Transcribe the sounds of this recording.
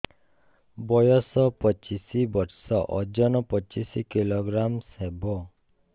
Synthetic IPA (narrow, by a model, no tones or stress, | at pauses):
bɔjɔsɔpɔt͡ʃisibɔɾsɔʔɔd͡ʒɔnɔpɔt͡ʃisikiloɡɾamsebɔ